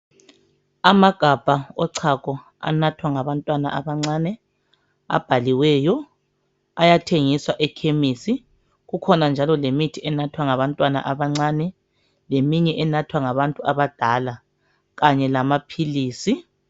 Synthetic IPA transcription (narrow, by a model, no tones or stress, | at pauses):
amaɡ̥ʱab̥ʱaɔǀʰakʼɔ | a̰natʰwaŋaβantʼwana̰ʔaβaŋ͡ǀanɛ | a̰b̥ʱaliwɛjɔ | ajatʰeŋiswaʔɛkʰemisi | ɣukʰɔnand͡ʒʱalɔlemitʰiɛnatʰwaŋaβantʼwana̰ʔaβaŋ͡ǀaːnɛ | lemiɲɛʔɛnatʰwaŋaβantʼuaβad̥ʱala | ɣaɲɛlamapʰiliːsi